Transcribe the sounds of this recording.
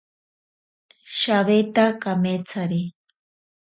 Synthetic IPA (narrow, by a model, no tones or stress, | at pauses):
ʃaβet̪akamet͡sʰaɾi